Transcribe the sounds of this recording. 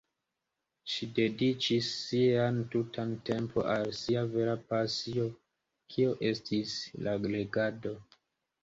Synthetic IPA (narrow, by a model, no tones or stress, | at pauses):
ʃide̞dit͡ʃisːiantutʰante̞mpʰo̞̰ʔalsiave̞ɾapasio̞ | kʰio̞ʔe̞stʰislaɡleɡado̞